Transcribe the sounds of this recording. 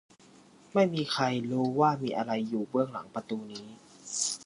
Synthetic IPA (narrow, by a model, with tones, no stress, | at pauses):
ma˥˩jmiː˧kʰa˧jɾuː˦˥waː˥˩miː˧ʔa˧ɾa˧jːuː˨˩bɯ˥˩əŋla˩˦ŋpa˧t̪uː˧niː˦˥